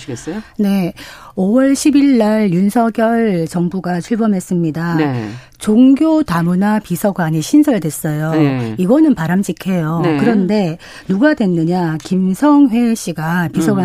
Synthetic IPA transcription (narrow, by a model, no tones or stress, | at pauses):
ne̞owʌɭɕʰibiɭːaɭjunsʰʌɡjʌɭt͡ɕʌŋbuɡat͡ɕʰuɭbʌmɦe̞s͈ɯmɲida | t͡ɕoŋɡjotamunapisʰʌɡwaɲiɕʰinsʰʌɭdwes͈ʌjoiɡʌnɯnpaɾamɕʰikʰe̞jokɯɾʌnde̞ | nuɡadwe̞nːɯɲakimsʰʌŋɸwe̞ɕ͈ʰiɡapisʰʌɡa